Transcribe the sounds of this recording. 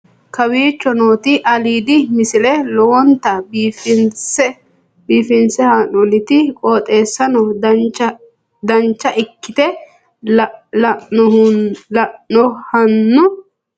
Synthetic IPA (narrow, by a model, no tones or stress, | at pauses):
kɐwiːt͡ʃːɔno̞ːt̪ɪʔɐliːd̪ɪmɪsɪlɛlɔwɔnt̪ɐbiːfɪnsɛ | biːfɪnsɛhɐnɔlɪt̪ɪkʼoːt̪ʼe̞ːsːɐnɔd̪ɐt͡ʃɐ | d̪ɐnt͡ʃːɐʔɪkːɪt̪ɛ | lɐʔnɔhɐnːʊ